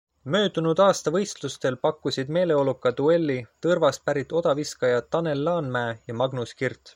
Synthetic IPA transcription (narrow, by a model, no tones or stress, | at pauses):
mø̞ːd̪unud̪̥ɑːst̪ɑvɤ̞jst̪lust̪e̞lpɑkːusʲid̪me̞ːle̞o̞lukːˑɑd̪ue̞lːit̪ɤrvɑs̚pæɾit̪ːˑo̞d̪̥ɑviskɑjɑt̪ɑne̞lːɑːnmæeːjɑmɑɡnuskirt̪